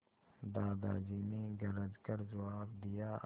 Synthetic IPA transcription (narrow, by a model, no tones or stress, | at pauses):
d̪aːd̪a̰ːd͡ʒiːneɡɐɾəd͡ʒkəɾd͡ʒɐwaːbd̪ijaː